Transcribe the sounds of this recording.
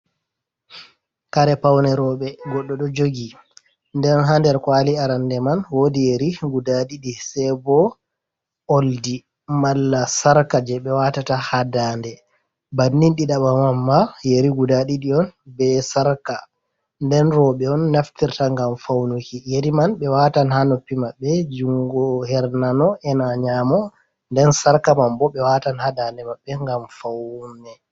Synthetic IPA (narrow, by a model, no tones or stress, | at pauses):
kaɾɛpawnɛɾɔɓɛɡɔɗːɔɗɔd͡ʒoɡi | ndɛnɦandɛɾkwaliaɾandɛmanwodijeɾiɡudaɗiɗisɛbɔ | oldi | malːasaɾkad͡ʒɛɓɛwatatahadaːndɛ | banːinɗiɗaɓamamːajeɾiɡudaɗiɗiɔnbɛsaɾka | ndɛnɾɔɓɛɔnːaftiɾtaŋɡamfawnukijeɾimanɓɛwatanhanopːimaɓːɛd͡ʒuŋɡɔhɛɾnanɔɛnaɲamɔ | ndɛnsaɾkamambɔɓɛwatanhadandɛmaɓːɛŋɡamfawnɛ